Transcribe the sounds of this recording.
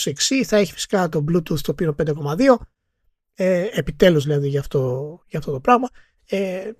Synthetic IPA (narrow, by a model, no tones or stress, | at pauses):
seksiθɐe̞çi̥fisi̥kɐt̪o̞blut̪uθt̪opinop̪d̪eko̞mɐðio̞ | eepit̪e̞luzðilɐðiʝɐːft̪ojɐːft̪o̞t̪o̞pɾɐɣmɐ | e